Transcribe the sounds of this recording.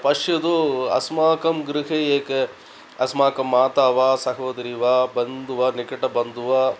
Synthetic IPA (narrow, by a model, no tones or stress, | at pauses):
pɐʂjɐd̪uɐ̰smaːkɐmɡɾɪɦeeːke | ɐsmaːkɐmːaːt̪aːʋaːsɐɦɐːd̪ɾiʋaːbɐnd̪uʋaːnikɐʈɐbɐnd̪uʋaː